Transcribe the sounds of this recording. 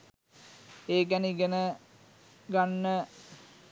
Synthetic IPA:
eːk̬æniɡenə | ɡanːə

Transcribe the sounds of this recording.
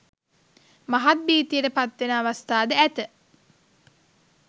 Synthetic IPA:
maɦat̪̚biːt̪ijəʈəpat̪ʋenəaʋast̪aːd̪əæt̪ə

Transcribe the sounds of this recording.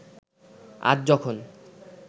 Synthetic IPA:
a̰d͡ʑd͡ʑɔkʰon

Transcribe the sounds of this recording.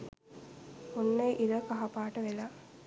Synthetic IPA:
unːejʔiɾəkaɦapaːʈəʋela

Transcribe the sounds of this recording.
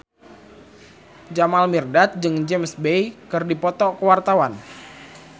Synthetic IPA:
d͡ʒamalmirdat̪̚d͡ʒɨŋd͡ʒɛmsbejkɨrdipɔt̪ɔkəwart̪awan

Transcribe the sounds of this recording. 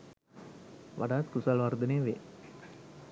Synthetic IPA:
ʋa̰ɖaːt̪kusalʋaɾd̪əneːʋḛː

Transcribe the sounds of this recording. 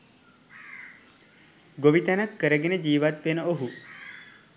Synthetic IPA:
ɡoʋit̪anakːəɾeɡened͡ʒiːʋat̪̚penɔoɦu

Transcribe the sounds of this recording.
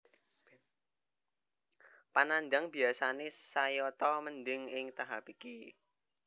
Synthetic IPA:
panandaŋbi̤asanesajɔt̪ɔməndɪŋɪŋt̪aɦapiki

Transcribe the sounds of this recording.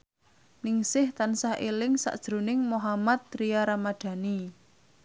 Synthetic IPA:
nɪŋsɪht̪ansahʔelɪŋsa̰ʔd̥ʒ̥ɾunɪŋmoɦamat̪̚ːɾijaɾamad̪̥ä̤ni

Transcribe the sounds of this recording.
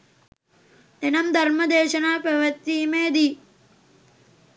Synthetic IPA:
enɐmd̪ʱɐɾmɐd̪eːʃɐnaːpɐʋɐt̪ːiːmeːd̪i

